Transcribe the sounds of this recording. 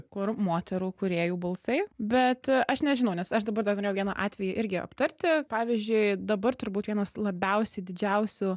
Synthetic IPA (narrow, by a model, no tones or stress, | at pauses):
kʊrmoːt̪ʲɛɾuːkʊɾʲeːjuːbɐlˠsɐɪbʲɛt̪ɐʃnʲɛʒʲɪnɐʊnʲɛsɐʃd̪ɐbɐɾd̪ɐrnoɾʲeːjʊʋʲiɛnɐʔɑːt̪ʲʋʲɛjuʔɪɾʲɡʲɪɐ̰pt̪ɐɾʲt̪ʲɪpɑːʋʲizʲd͡ʒʲʊɪd̪ɐbɐrt̪ʊɾbuːt̪ʋʲiɛnɐslˠɐbʲɛʊsʲɛɪd̪ʲɪd͡ʒʲɛʊsʲʊ